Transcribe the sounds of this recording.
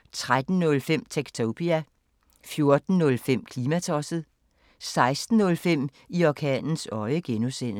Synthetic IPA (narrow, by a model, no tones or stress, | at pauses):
t͡sʰʁad̥n̩nɔ̽lfem̰t͡sʰeɡ̥t͡sʰopʰiæ | fjo̝ɐd̥n̩nɔlfem̰kʰliːmæt͡sʰɒsð̞̩ˠ | sɑ̈ɪsd̥n̩ːɔ̽lfem̰ | iɒkʰɛ̰ːnn̩sɒ̽ɪəɡ̥enusen̰